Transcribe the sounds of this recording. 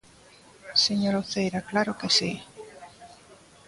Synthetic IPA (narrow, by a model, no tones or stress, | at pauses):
seɲoɾoθejɾaklaɾokesi